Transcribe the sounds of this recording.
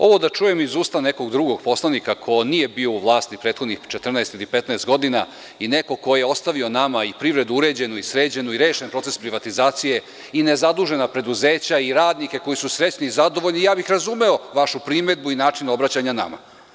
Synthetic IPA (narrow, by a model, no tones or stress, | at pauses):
o̞̰ʋo̞d̪at͡ʃuje̞mizuːst̪ane̞ko̞ɡd̪ɾuɡo̞ɡpo̞slˠanikakʰo̞nije̞bio̞uʋlˠaːst̪ipɾe̞ːt̪xod̪nixt͡ʃet̪r̩naɛest̪ilipet̪naest̪ɡo̞d̪ina̰ | ine̞ko̞ko̞jeo̞st̪aʋio̞namaipɾiʋɾe̞d̪uuɾe̞d͡ʑe̞nuisɾeːd͡ʑe̞nuiɾe̞ːʃenpɾo̞t̪se̞spɾiʋat̪izaːt̪sije̞ | ine̞zad̪uʒe̞napɾe̞d̪uzeːt͡ɕaiɾaːd̪nike̞ko̞jisusɾe̞t͡ɕniizad̪o̞ʋo̞ʎnijaːbixɾazume̞o̞ʋaʃupɾime̞d̪̚buinaːt͡ʂino̞bɾat͡ɕaɲana̰ma̰